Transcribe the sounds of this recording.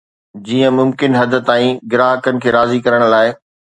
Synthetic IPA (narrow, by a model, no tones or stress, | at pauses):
d͡ʑiːə̃mʊmkɪnɦɐd̪ʱə̆t̪aːĩɡɪɾaːɦəkənɪ̆kʰeːɾaːzikɐɾəɽ̃̆laːɪ